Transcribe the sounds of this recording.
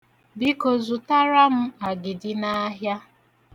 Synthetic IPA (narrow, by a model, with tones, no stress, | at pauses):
bi˦ko˨zu˨ta˦ɾa˦m̩˦a˨ɡɪ˨dɪ˨na˦ɦja˦